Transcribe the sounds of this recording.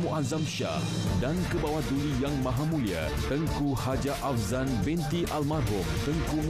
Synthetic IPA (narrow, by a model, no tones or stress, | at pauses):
muʔazamʃa̰ | dankəbawat̪̚dulijaŋmãɦamũlia̰ | t̪əŋkuhad͡ʒaʔafzanbɛnt̪iʔalmarɦʊmt̪əŋkum